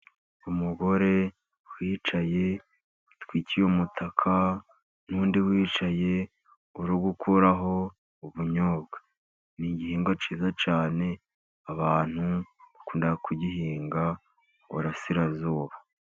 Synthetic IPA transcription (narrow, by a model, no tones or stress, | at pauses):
umuɡo̞ɾe̞ | wiːt͡ʃaje̞ | twiːcijomutʰakʰa | nuːndiwiːt͡ʃaje̞ | uɾuɡukʰuɾaɦo̞ | uβuɲoːbɡḁ | niɟihiːŋɡwat͡ʃiːzat͡ʃaːne̞ | aβaːn̥huβakuːndakʰuɟiɦiːŋɡa | ṵɾasiɾazoːβa